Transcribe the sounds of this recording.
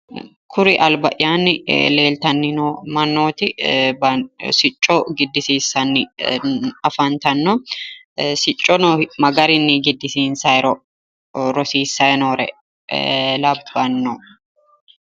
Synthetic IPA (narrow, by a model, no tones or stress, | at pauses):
kʰʊɾɪʔɐlbɐʔjaːnːɪle̞ːlt̪ɐnːɪnomɐnːoːt̪ɪbɐsɪt͡ʃʼːoɡɪd̪ːɪsiːsːɐnːɪ | ɐfɐnt̪ɐnːɔ | sɪt͡ʃʼːɔnomɐɡɐɾɪnːɪɡɪd̪ːɪsiːnsɐɛɾɔ | ɾɔsiːsːɐɛnoːɾɛ̰ | lɐbːɐnːɔ